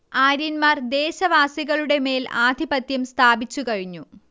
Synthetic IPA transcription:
aːɾinmaːrd̪e̞ːɕɐʋaːsiɣɐɭuɽe̞me̞ːla̰ːd̪ʱibɐt̪jɐmst̪ʰaːbit͡ɕːukɐɻiɲːu

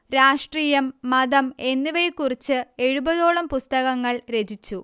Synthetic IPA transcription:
ɾaːʂʈriːjɐmːɐðɐme̞nːiʋɐjkːurit͡ɕːɨe̞ɻubɐðo̞ːɭɐmpust̪ɐɣɐŋːɐɭɾe̞d͡ʑit͡ɕːu

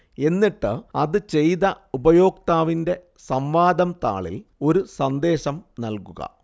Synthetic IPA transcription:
e̞nːiʈːɨɐðɨt͡ɕe̞jðɐ | ubɐjo̞ːk̚t̪aːʋinde̞ | sɐmʋaːd̪ɐmt̪a̰ːɭḭlo̞ɾusɐnd̪e̞ːɕɐmnɐlkuɣɐ̰

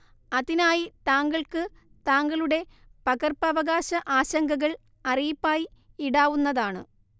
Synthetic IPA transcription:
ɐðinaːjit̪aːŋɡɐɭkɨ | t̪aːŋɡɐɭuɽe̞ | pɐɣɐrpɐʋɐɣaːɕɐʔaːɕɐŋɡɐɣɐɭ | ɐrijipːaːji | iɽaːʋunːɐðaːɳɨ̰

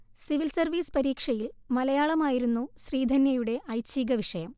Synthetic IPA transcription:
siʋilsɐrʋiːspɐɾiːkʂɐjilmɐlɐjaːɭɐmaːjiɾunːuɕriːd̪ʱɐnjɐjuɽe̞ʔɐjt͡ɕːiːɡɐʋiʂɐjɐm

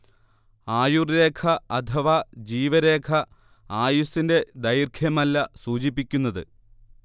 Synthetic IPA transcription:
aːjurːe̞ːkʰɐɐt̪ʰɐʋad͡ʑiːʋɐɾe̞ːkʰɐ | aːjusinde̞d̪ɐjrkʰjɐmɐlːɐsuːt͡ɕipːikʲːunːɐðɨ̰

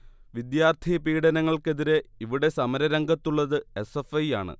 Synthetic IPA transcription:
ʋid̪jaːrt̪ʰipiːɽɐnɐŋːɐɭke̞ðiɾe̞iʋiɽe̞sɐmɐɾɐɾɐŋɡɐt̪ːuɭːɐðɨe̞sefɐjaːɳɨ̰

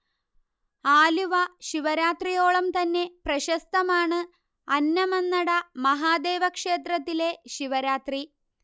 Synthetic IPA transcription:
aːluʋɐɕiʋɐɾaːt̪rijo̞ːɭɐmt̪ɐnːe̞prɐɕɐst̪ɐmaːɳɨ | ɐnːɐmenːɐɽɐmɐɦaːd̪e̞ːʋɐkʂe̞ːt̪rɐt̪ːile̞ɕiʋɐɾaːt̪ri

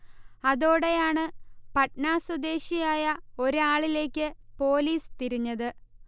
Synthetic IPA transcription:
ɐðo̞ːɽejaːɳɨpɐʈnaːswɐd̪e̞ːɕijaːjɐo̞ɾɨaːɭile̞ːkʲːɨpo̞ːliːst̪iɾiɲːɐðɨ

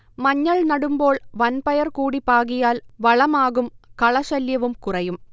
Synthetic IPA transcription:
mɐɲːɐɭnɐɽumbo̞ːɭʋɐnpɐjɐrkuːɽipaːɣijaːlʋɐɭɐmaːɣumkɐɭɐɕɐljɐʋumkurɐjum

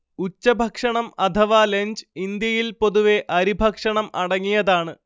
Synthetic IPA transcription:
ut͡ɕːɐbʱɐkʂɐɳɐmɐt̪ʰɐʋaːleɲd͡ʑind̪jɐjilpo̞ðuʋe̞ʔɐɾibʱɐkʂɐɳɐmɐɽɐŋːijɐðaːɳɨ

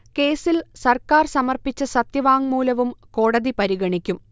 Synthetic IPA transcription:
ke̞ːsilsɐrkaːrsɐmɐrpit͡ɕːɨsɐt̪jɐʋaːŋmuːlɐʋumko̞ːɽɐðipɐɾiɣɐɳikʲːum

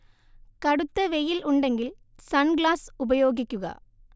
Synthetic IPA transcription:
kɐɽɯt̪ːɐʋɛjɪlʊɳɖɐŋɡɪl | sɐnɡɭaːsʊbɐjoːɡɪkʲːɯɣɐ̰

